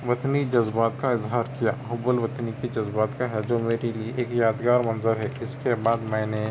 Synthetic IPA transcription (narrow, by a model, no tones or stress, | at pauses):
ʋɐt̪nid͡ʒɐzbaːt̪kaɪzɦaːɾkija̰ːɦʊbəlʋɐt̪nikid͡ʒɐzbaːt̪kaɦɛd͡ʒoːmeːɾelieʔeːkjaːd̪ɡaːɾmɐ̃nzəɾɦɛɪskebaːd̪mɛ̃ːne